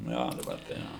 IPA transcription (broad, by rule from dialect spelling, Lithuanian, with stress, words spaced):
ˈnʊ ˈjoː dɐˈbɐr tɐɪ ˈjoː